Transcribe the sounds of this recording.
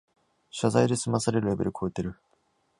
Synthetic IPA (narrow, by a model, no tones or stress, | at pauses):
ɕazaid̪e̞sɨmasaɾe̞ɾɯ̟ɾe̞be̞ɾɯ̟kʰo̞et̪e̞ɾɯ̟